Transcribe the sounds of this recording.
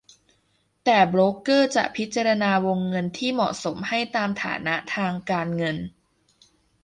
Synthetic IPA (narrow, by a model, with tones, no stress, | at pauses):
t̪ɛː˨˩bɾoː˦˥kɤː˥˩t͡ɕa̰˨˩ʔpʰi˦˥t̪̚t͡ɕaː˧ɾa˧naː˧wo˧ŋːɤ˧nt̪ʰiː˥˩mɔ̰˨˩ʔso˩˦mha˥˩jt̪aː˧mt̪ʰa̰ː˩˦na˦˥t̪ʰaː˧ŋkaː˧nŋɤ˧n